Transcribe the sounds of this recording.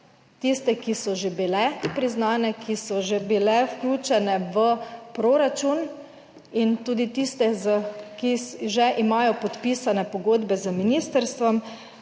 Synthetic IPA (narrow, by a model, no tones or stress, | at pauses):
t̪ist̪ɛkisɔʒebilɛpɾiznaːnɛkʰisɔʒebilɛwklʲuːt͡ʃɛnɛʋəpɾoɾat͡ʃun | int̪uːd̪it̪ist̪ɛzəkisʒɛʔimaːjɔpɔt̪piːsanɛpɔɡoːd̪bɛzəminiːst̪əɾst̪ʋɔm